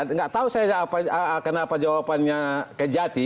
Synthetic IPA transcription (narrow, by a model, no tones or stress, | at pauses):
ŋɡaʔt̪ausajad͡ʒaːpaaakənapad͡ʒawapanɲakəd͡ʒat̪i